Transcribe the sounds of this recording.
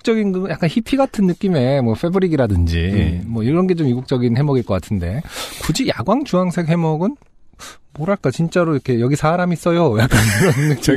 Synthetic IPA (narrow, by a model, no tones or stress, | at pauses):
k̚t͡ɕ͈ʌɡinɡɯjak͈ançʰipʰiɡatʰɯnːɯk͈ime̞mwʌfʰe̞bɯɾiɡiɾadɯnd͡ʑḭmwʌiɾʌnɡe̞t͡ɕomiɡuk̚t͡ɕ͈ʌɡinhe̞mʌɡiɭk͈ʌk͈atʰɯnde̞̰kud͡ʑijaɡwaŋt͡ɕuɦaŋsʰe̞kɦe̞mʌɡɯn | moɾaɭk͈at͡ɕint͡ɕ͈aɾoiɾkʰe̞jʌɡisʰaɾamis͈ʌjojak͈̚aniɾʌnːɯk̚t͡ɕ͈ʌ